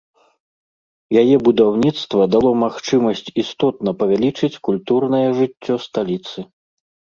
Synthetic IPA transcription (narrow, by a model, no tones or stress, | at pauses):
jajɛbud̪awnʲit̪st̪vɐd̪alˠɔmaxt͡ʂɨmɐsʲt͡sʲist̪ɔt̪nɐpɐvʲalʲit͡ʂɨt͡sʲkulʲt̪urnɐjɛʐɨt͡sʲːɔst̪alʲit̪sɨ